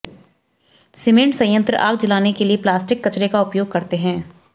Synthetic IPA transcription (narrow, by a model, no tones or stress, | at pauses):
sɪmẽɳʈsɐ̃jə̃nt̪ɾə̰ʔaːɡ̚d͡ʒɪlaːnekelieplaːsʈɪkːɐt͡ʃɾekaʊpjoːɡ̚kɐɾt̪eɦɛ̃ː